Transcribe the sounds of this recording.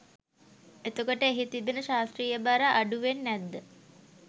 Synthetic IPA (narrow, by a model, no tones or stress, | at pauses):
et̪ukəʈəeɦit̪ibenəʃaːst̪riːjəbaɾaʔːɖuʋenːæd̪ːə